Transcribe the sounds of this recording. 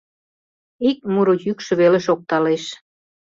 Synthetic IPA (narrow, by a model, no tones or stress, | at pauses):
ik̚muɾojykʃɤ̆βeleʃok̚t̪ɑleʃ